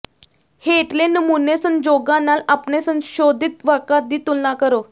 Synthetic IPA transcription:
heʈlenəmunesənd͡ʑoɡanalapnesə̃ñɕod̪ʱit̪ʋakad̪it̪ulːakəɾo

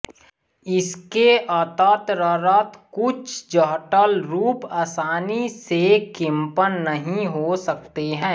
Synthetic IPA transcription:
ɪskeʔat̪aːt̪ɾaɾaːt̪kʊt͡ʃʰd͡ʒəɦʈəlɾuːpaːsaːnisekɪ̃mpənːəɦĩɦosəkt̪eɦɛ̃ː

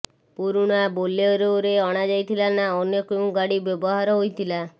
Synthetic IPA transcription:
puɾuɽ̃aboleoɾewɾeɔɽ̃ad͡ʒajt̪ʰilanaɔnekĩɡaɽibjɔbɔɦaɾɔɦojt̪ʰila

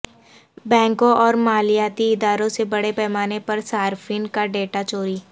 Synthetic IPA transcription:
bɛ̃ːŋkõʔɔːɾmaːlijaːt̪iɪd̪aːɾõsebɐɽepɛːmaːnepɐɾsaːɾfʰiːnkaɖeːʈat͡ʃoːɾiː

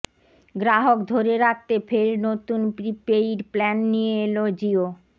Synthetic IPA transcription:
ɡɾaɦokd̪ʱoɾeɾak̚t̪efʰeɾnot̪unpɾipejiɾplɛnːijeelod͡ʑio

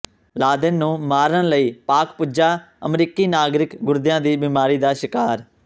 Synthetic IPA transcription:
laːd̪ənːũːmaːɾəɳləiːpaːkpʊd͡ʒaː | əmɾiːkiːnaːɡɾɪkɡʊɾd̪ɪjãːd̪iːbiːmaːɾiːd̪aːʃɪkaːɾ

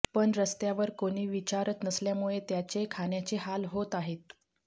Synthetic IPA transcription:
pəɳɾəst̪jaʋəɾkoɽ̃iːʋit͡ɕaɾət̪nəsljamuɭet̪jat͡sekʰaɳjat͡ɕeɦalɦot̪aɦet̪̚

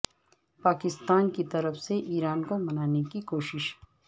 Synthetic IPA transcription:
paːkɪst̪aːnkit̪ɐɾəfseʔiːɾaːnkomɐnaːnekikoːʃɪʃ

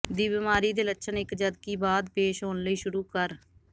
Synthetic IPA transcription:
d̪iːbɪmaːɾiːd̪eːlətːʃʰənɪkd͡ʒəd̪̚kiːbaːd̪peːʃɦoːnləiːʃʊɾuːkəɾ

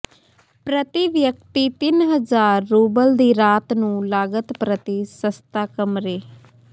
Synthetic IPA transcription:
pɾət̪iʋjək̚t̪iːt̪ɪnɦəzaːɾːuːbəld̪iːɾaːt̪nũːlaːɡət̪pɾət̪isəst̪aːkəmɾeː

